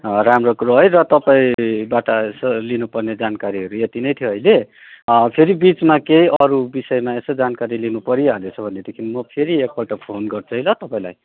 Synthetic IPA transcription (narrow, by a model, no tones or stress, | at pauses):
ramrokuɾoɦʌjrʌt̪ʌpaĩbaʈasʌlinupʌrned͡zankaɾiɦʌɾuet̪inʌjt̪ʰijoɦʌjle | pʰeɾibit͡smakejʔʌɾubisʌjmaesʌd͡zankaɾilinupʌɾjialet͡sʰʌbʱʌned̪ekʰinmʌpʰeɾiek̚baʈapʰonɡʌrt͡sʰuɦjlʌt̪ʌpãĩlaj